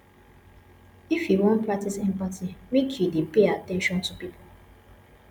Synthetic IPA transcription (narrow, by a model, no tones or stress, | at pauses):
ifjiwɔ̃ntpʰɹak̚tisɛ̃mpatimekʰjudepeatɛ̃nʃɔ̃ntupipʰo